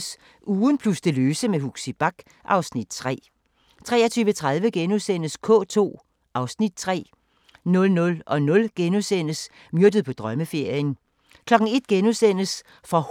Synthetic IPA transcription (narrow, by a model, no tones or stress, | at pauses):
s | uːðˠn̩pʰlusd̥e̝løːsəmeɦuɡ̥sib̥ɑ̈ɡ̥ | ʔɑ̈ʊsnid̥̚t͡sʰʁɛ̰ː | t͡sʰʁɛ̰ːɐt͡sʰyːʋət͡sʰʁað̞ˠʋəɡ̥enusen̰əskʰɔ̰̽ːt͡sʰo̝̰ː | ʔɑ̈ʊsnid̥̚t͡sʰʁɛ̰ː | nɔ̽lnɔ̽lɒ̽nɔ̽lɡ̥enusen̰əs | mjøɐd̥əðˠpʰɒ̽d̥ʁɶməfe̝ɐ̰jən | kʰlɒ̽ɡ̥ŋ̩e̝d̥̚ɡ̥enusen̰əs | fɒ̽h